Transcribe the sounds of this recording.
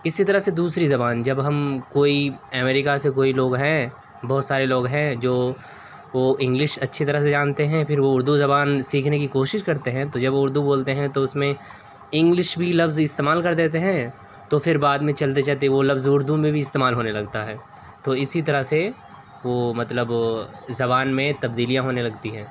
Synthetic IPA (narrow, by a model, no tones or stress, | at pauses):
ɪsit̪ɐɾəɦsed̪uːsɾizɐbaːnd͡ʒɐbɦɐmkoːiɛmɛːɾɪkasekoːiloːɡɦɛ̃ | bɔːt̪saːɾeloːɡɦɛ̃d͡ʒoː | ʋoːɪ̃ŋɡlɪʃɐtːʃʰit̪ɐɾəɦs̬ed͡ʒaːnt̪eɦɛ̃pʰɪɾʋoʊɾd̪uzɐbaːnsiːkʰnekikoːʃɪʃkɐɾt̪eɦɛ̃t̪od͡ʒɐbʋʊɾd̪uboːlt̪eɦɛ̃t̪oʊsmẽ | ɪ̃ŋɡlɪʃbʱilɐbzɪst̪eːmaːlkɐɾd̪eːt̪eɦɛ̃ | t̪ofʰɪɾbaːd̪mẽt͡ʃɐlt̪̬et͡ʃaɦt̪̬eʋolɐbzʊɾd̪umẽbʱiɪst̪eːmaːlɦoːnelɐɡt̪aɦɛː | t̪oɪsit̪̬ɐɾəɦse | ʋomɐt̪ləbzɐbaːnmẽt̪ɐbd̪iːlijãɦoːnelɐɡt̪iɦɛ̃ː